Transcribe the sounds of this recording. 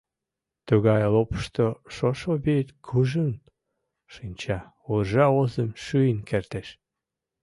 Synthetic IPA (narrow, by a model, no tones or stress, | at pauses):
t̪uɣɑjlopə̥ʃt̪oʃoʃobit̪kʰuʒən | ʃinʲt͡ɕɑ | uʒɑozəmʃyənkert̪eʃ